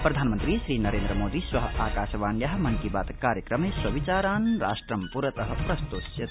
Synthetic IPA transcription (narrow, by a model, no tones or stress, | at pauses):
pɾɐd̪ʱaːnmənt̪ɾisɾiːnɐɾeːnd̪ɾəmoːd̪iswɐɦʔaːkaːsʋaːnjaɦmɐnkibaːt̪kaːɾjəkɾəmeswɐʋit͡ʃaːɾaːnɾa̰sʈɾɐmpuɾət̪ɐɦɐpɾɐst̪usjɐt̪